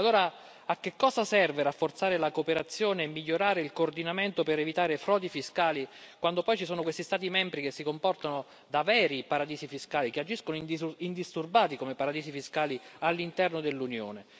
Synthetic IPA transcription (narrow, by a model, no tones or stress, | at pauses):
alːoːɾa | ak̟ːekːɔːzasɛrveɾafːort̪saːɾelakopeɾat̪sːjoːneːmːiʎːoɾaːɾeilkoːrd̪inament̪opeɾevit̪aːɾefɾɔːd̪ifiskaːlikwand̪opɔjt͡ʃisoːnokwest̪ist̪aːt̪̬imɛmbɾikesːikompɔrt̪ano | d̪avɛːɾipaɾad̪iːsifiskaːlikead͡ʒiskonoind̪ist̪urbaːt̪ikomepaɾad̪iːsifiskaːlialːint̪ɛrnod̪elːunjo̰ːne